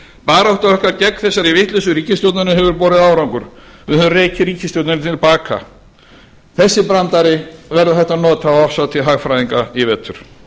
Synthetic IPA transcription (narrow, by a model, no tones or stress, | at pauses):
paːɾaɔht̪aœhkaɾcɛkːθɛsːaɾivɪht̪lɛsʏɾiːcɪst̪jowt̪nanʏɦɛvʏɾpoːɾɪðaːwɾawŋkʏɾ̥ | ʏhvreːjcɪɾiːcɪst̪owt̪nanʏt̪ʰɪlpaːkʰa̰ | θɛsːɪpɾant̪aɾɪvɛɾðʏθɛht̪anɔːt̪aafsaðt̪ʰɪlɦaːɣfɾajðiŋkaivɛt̪ʰʏɾ̥